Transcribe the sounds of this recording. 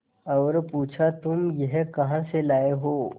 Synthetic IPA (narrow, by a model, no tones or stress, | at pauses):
ɐːɾpuːt͡ʃʰat̪ʊmjɛɦkɐɦãselaːeɦoː